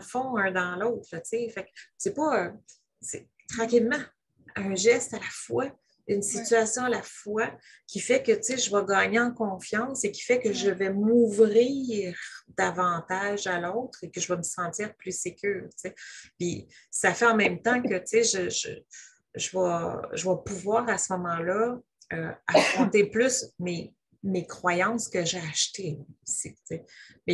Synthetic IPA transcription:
fɔ̃œ̃d̪ɑ̃lɔʊt̪χət͡sefɛksepɔø | se | t̪χɑ̃ːkʲilmɑ̃ | ɛ̃ʒɛst̪alafwa | ynsit̪yasjɔ̃alafwa | kʲifɛkət͡seʒəvaɡɑːɲeɑ̃kɔ̃fjɑ̃ːsekʲi̥fɛkəʒəvɛmuvʁiʁd̪avɑ̃t̪aʒalɔʊt̪χekəʒəvaməsɑ̃tt͡siːʁplysekʲyːʁt͡sepisafɛɑ̃mɛ̃mt̪ɑ̃kət͡seʒəʒə̰ | ʒəvaʒəvapuvwaːʁasəmɔmɑ̃lʌ | ø̰afχɔ̃t̪eplysme | mekχwajɑ̃skəʒeaʃt̪eusit͡semɛ

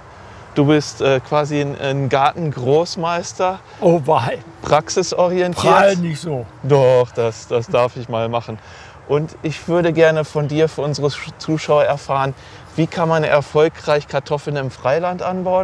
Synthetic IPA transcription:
d̥uːbɪstʔɛːkv̥aːziɪnʔɪ̰nɡaɐtn̩ɡʁoːsmaɪstɐ | ovaɪpʁ̥aksɪsʔɔʁ̞iɛntʰiːɐnɪçzoːd̥ɔχd̥asd̥asd̥aɐfɪçmaːlmaχn̩ | ʔʊntʔɪçv̥ʏɐɾəɡɛɐnəfɔndiːɐfyːɐʔʊnzəʁət͡suːʃaʊɐɛɐfaːʁən | v̥iːkʰanmanɛ̰ɐfɔlkʁ̥aɪçkʰaɐtʰɔfl̩nɪmfʁ̥aɪlantʔanbaʊən

